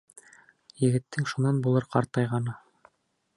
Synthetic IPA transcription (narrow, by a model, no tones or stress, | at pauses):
jɘ̆ɡɘ̆t̪ːɘŋʃunɑnbulˠɤɾqɑɾt̪ɑjʁɑnɑ